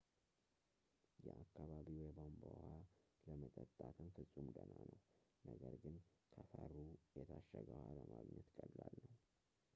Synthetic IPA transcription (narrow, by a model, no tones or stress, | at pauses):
jɛʔakʰːaβaβiwjɛbombohaləmət̪ʼət̪ʼːat̪ʰənfɨsʼumd̪ənanəwnəɡəɾɡɨnkʰəfəɾujɛt̪ʰaʃːəɡəhaləmaɡɲɛt̪kʼəlːalːəw